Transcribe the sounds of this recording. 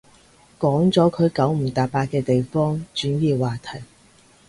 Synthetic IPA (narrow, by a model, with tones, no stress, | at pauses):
kɔː˨˥ŋt͡sɔː˨˥kʰɵ˨˧ɥkɐ˨˥wm̩˨˩t̪aː˨paː˧t̚kɛː˧t̪e˨jfɔː˥ŋt͡ʃyː˨˥njiː˨˧waː˨˩t̪ʰɐ˨˩j